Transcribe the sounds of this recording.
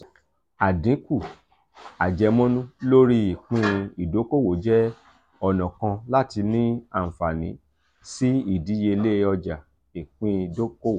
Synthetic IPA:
a˨dĩ˨˦ku˦˨ | a˨d͡ʒɛ˨˧mɔ̃˦nũ˦lo˦ɾi˦i˨k͡pĩ˧i˨do˨˦ko˦˨wo˨˦d͡ʒɛ˦ | ɔ˧nɔ̃˨kã˧la˦ti˧nĩ˦a˦˨fa˨nĩ˨˦ | si˦i˦˨di˨˦je˧i˧le˦ɔ˧d͡ʒa˨ | i˨k͡pĩ˧i˨do˦ko˦wo˨

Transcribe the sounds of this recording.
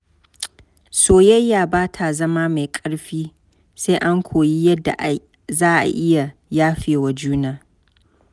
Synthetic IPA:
soː˨jɐ˦jːaː˨baː˦tʰa˨zɐ˦maː˦ma˨jkʼɐ˦ɽɸiː˦ | se˦ʔa˦ŋkʷʰoː˨ji˦jɐ˦dːa̰˨ʔa˨ | zaː˦ʔa̰˨ʔɪ˦ja˨jaː˦ɸeː˨wa˨d͡ʒuː˦naː˨

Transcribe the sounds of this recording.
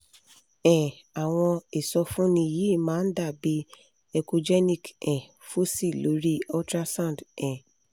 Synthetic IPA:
ɛ̃˨ | a˨w̃ɔ̃˧i˨sɔ˧fũ˦nĩ˧˨ji˨˦˨mãː˦n̩˦da˦˨bi˦ | ɛ˧ko˧d͡ʒɛ˦nĩ˦˨kɛ̃˨ | fu˦si˦˨lo˨˦ɾi˦ɔ˦tɾa˦sã˦˨dɛ̃˨

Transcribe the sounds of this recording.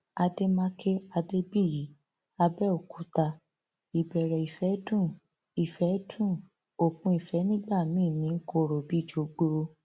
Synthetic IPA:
a˧de˦mã˦kʰe˦a˧de˦bi˦˨ji˨˦ | a˧bɛ˦o˨kʰu˨˦ta˧ | i˨bɛ˨ɾɛ˨i˨fɛ˨˦dũ˦˨ | i˨fɛ˨˦dũ˦˨ | o˦˨kũ˦i˨fɛ˨˦nĩ˦ɡ͡ba˦˨mĩː˦˨nĩ˨˦ŋ̩˦ko˦˨ɾo˨bi˦˨d͡ʒo˨˧ɡ͡bo˧ɾo˧

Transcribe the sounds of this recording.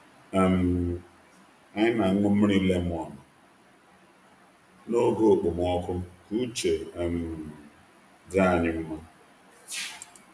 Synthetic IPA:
a˨m˨ | a˦ɲɪ˦na˨˦ŋʊ˦m̩˦ɾi˦le˦m˦˨ɔ˨nʊ˨ | no˦ɡo˦˨k͡po˨m˨ɔ˦kʊ˦m˦ku˦t͡ʃe˨m˨ | da˦a˨ɲɪ˦m̩˦ma˦

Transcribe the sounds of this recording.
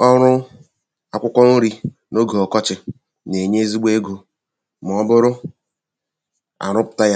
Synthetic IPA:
ɔ˦ɾʊ˦ | a˨kʷʊ˦kʷɔ˦n̩˦ɾi˦ | no˦ɡo˨ɔ˨kɔ˦t͡ʃɪ˨ | ne˨ɲe˦e˦zi˦ɡ͡be˦e˦ɡo˦ | m˨ɔ˦bʊ˦ɾʊ˦ | a̰˨ɾʊ˦pʊ̥˨ta˦ja˦

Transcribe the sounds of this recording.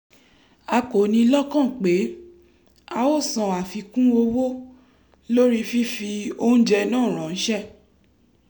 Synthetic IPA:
a˧ko˨nĩ˧˦lɔ˦kã˦˨k͡pe˨˦ | a˧wo˦˨sã˨a˨fi˧kũ˦o˧wo˦ | lo˦ɾi˦fi˦fi˧o˦ñ̩˦d͡ʒɛ˧nãː˦˨ɾ̃ã˨ñ̩˦ʃɛ˦˨

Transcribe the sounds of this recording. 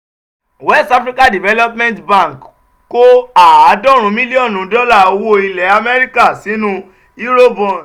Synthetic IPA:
wɛ˦˨sta˧˦fɾi˦ka˦˨di˨vɛ˨˦lɔ˦pmɛ̃˦ntbã˦˨k | ko˦a˦˨a˨˦dɔ˦˨ɾ̃ũ˨˦mĩ˦li˦ɔ˦˨nũ˨˦dɔ˦la˦˨o˧wo˦i˧lɛ˨˦a˧mɛ˦ɾi˦ka˦˨si˨˦nũ˦ | i˦ɾo˦˨bɔ̃˧˨

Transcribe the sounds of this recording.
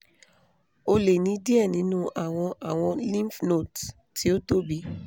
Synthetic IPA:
o˧le˨nĩ˨˦di˦ɛ˦˨nĩ˨˦nũ˦ʔa˨w̃ɔ̃˧ʔa˨w̃ɔ̃˧lĩ˦fno˦˨t | ti˨˦o˦to˦bi˦

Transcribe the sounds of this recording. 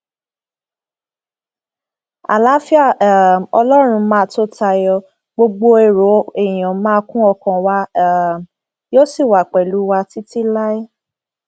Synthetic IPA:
a̰˨la˨˦fi˦a˦˨ɔ̰˧lɔ˦ɾ̃ũ˧mãː˦˧˦to˦ta˧jɔ˧ | ɡ͡bo˧ɡ͡bo˧e˨ɾo˨˦e˦˨j̃ã˨mãː˦˧˦kũ˦ɔ˧kã˨wa˧˨ | jo˦si˦˨wa˨k͡pɛ˨lu˨˦wa˧ti˦ti˦la˦i˦

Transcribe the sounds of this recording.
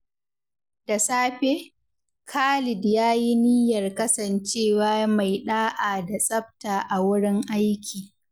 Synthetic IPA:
d̥a˨saː˦ɸe˦ | kʰaː˦lɪ˨djaː˦ji˦ni˦jɐ˨rkɐ˦sɐ˨nt͡ʃeː˦˨waː˦ma˨jɗaː˦ʔaː˨da˨sʼɐ˦p̚taː˨ʔa˨wʊ˦ɽɪ˦ŋʔa˦jkʲʰiː˨

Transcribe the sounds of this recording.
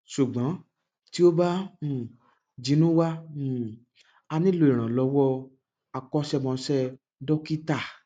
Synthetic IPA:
ʃu˨ɡ͡bã˨˦ | ti˦o˦bã˦˨ | d͡ʒi˨˦nũ˦wa˦˨ | a˧nĩ˦lo˦i˨ɾ̃ã˨lɔ˧˦wɔ˦ | a˧kɔ˦ʃɛ˦mɔ̃˧ʃɛ˦ | dɔ˦ki˦ta˦˨

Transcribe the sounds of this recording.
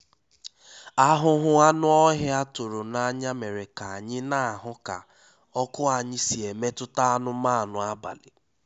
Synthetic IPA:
a˦ɦʊ˦ɦʊ˦a˦nʊ˦ɔ˦ɦɪ˦a˦tʊ˨ɾo˨na˨˦ɲa˦me˨ɾe˨ka˨a˨ɲɪ˦na˦a˨ɦʊ˦ka̰˨ | ɔ˦kʊ˦a˨ɲɪ˦si˨e˨me˦tʊ˦ta˦a˦nʊ˦ma˦˨nʊ˨a˦ba̰˨lɪ˨

